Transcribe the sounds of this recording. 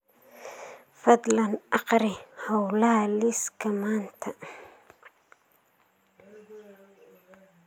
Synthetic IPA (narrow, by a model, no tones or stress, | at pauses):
fɐd̪lɐnʔɑqɾɪhɐwlalɪskʰɐmaːnt̪ʰɐ